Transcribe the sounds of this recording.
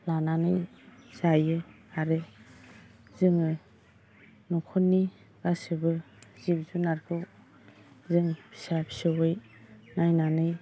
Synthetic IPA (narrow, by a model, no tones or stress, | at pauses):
lananɯjz̥ajɯ | aɾɯ | zɯŋɯ | nukʰɔnːi | ɡ̥asɯbɯ | zibzunaɾkʰɯw | zɯŋbi̥sapʰi̥sɯwɯj | najnanɯj